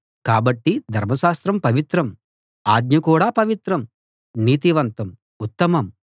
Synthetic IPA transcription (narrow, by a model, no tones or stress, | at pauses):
kaːbɐʈːid̪ʱɐɾmɐʃaːst̪ɾɐmpɐʋit̪ɾɐm | aːɡ̚ɲɐkuːɽaːpɐʋit̪ɾɐm | niːt̪iʋɐnt̪ɐm | ut̪ːɐmɐm